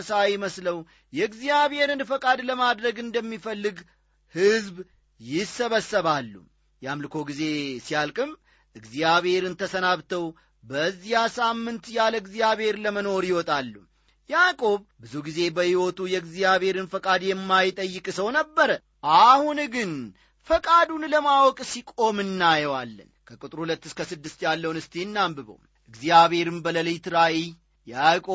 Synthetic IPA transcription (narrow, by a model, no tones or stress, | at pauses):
sajɪməsləw | jɛɨɡzijaβe̞ɾɨnfəkʼad̪ləmad̪ɾəɡɨnd̪əmːifəlːɨɡ | hɨzb | jɪsːəβəsəβalːṵ | jamlɨkʰo̞ɡize̞sijalkʼɨm | ʔɨɡzjaβhe̞ɾɨnt̪ʰəsənaβt̪ʰəw | bəzːijasamːɨnt̪jaləɨɡzijaβhe̞ɾləməno̞ɾjɪwɔt̪ʼalːu | jakʼo̞βbɨzuɡize̞bəhiwot̪ʰujɛɨɡzijaβe̞ɾɨnfəkʼad̪jɛmːajt̪ʼəjːɨkʼsəwnəbːəɾə | ʔahunɡɨn | fəkʼad̪unləmawɔkʼsikʼo̞mɨnːajɛwalːə̰nkʰəkʼut̪ʼɾhulət̪ːɨskʰəsɨd̪ːɨst̪jalːəwunɨst̪ʰe̞nːambɨβə̰w | ʔɨɡzijaβe̞ɾɨmbələlɨjt̪ɾaʔi | jakʼo